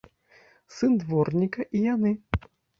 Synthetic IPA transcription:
sɨnd̪vɔrnʲikɐʔijanɨ

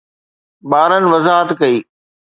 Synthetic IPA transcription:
baːɾənɪ̆ʋɐzaːɦət̪kɐiː

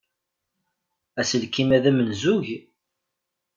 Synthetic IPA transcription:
æsəlkimæðæmənzuʝ

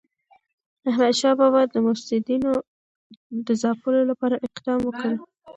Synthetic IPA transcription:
ahmad̪ʃɑbɑbɑjad̪̚ːəmʊsɪd̪ino | d̪əzɑpəlolapɑɾaʔɪqd̪ɑmwəkəl

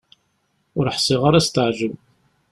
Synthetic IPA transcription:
ʊɾəħsˤiʁaɾæst̪əʕʒəv

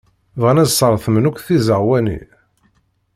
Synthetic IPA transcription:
vʁænæzsˤəɾˤθəmnukθizəʁwænḭ

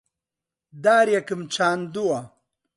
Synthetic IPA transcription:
d̪aːɾjakimt͡ɕʰaːnd̪uwa

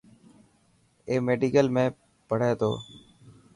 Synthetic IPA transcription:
eːmeːɖiːkəlmẽː | pəɽ̤eːt̪o̰ː

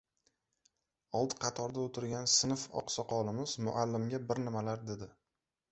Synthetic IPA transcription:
ɒlˠd̪qʰɑt̪ʰɒɾd̪aot̪ʰɪɾɡʲansɪnfɒ̰qsɒqɒlɪmɪz̥mʊ̰ʔalːɪmɡʲabɪɾnɪmalaɾd̪ed̪ɪ

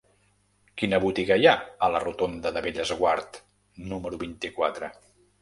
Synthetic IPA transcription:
kinəβut̪iɣəjaələrut̪ond̪əðəβeʎəzɣwaɾt̪ | numəɾuβint̪ikwat̪ɾə

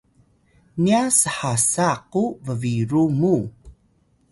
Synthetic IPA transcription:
niasəħasaquvəviɾumu

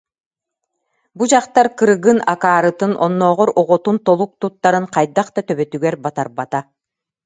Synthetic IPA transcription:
bud͡ʑaqt̪aɾkɯɾɯɡɯna̰kaːɾɯt̪ɯnʔɔnːɔːʁɔɾɔʁɔt̪unt̪ɔlˠuk̚t̪ut̪ːaɾɯŋqajd̪aqt̪at̪œβœt̪yɡɛɾbat̪aɾbat̪a

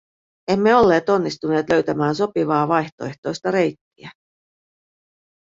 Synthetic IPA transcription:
e̞mːe̞o̞lːe̞ːt̪o̞nːist̪une̞ːt̪lø̞ɥt̪æmæːns̬o̞piʋɑːʋɑjçt̪o̞e̞ht̪o̞jst̪ɑɾe̞jt̪ːiæ

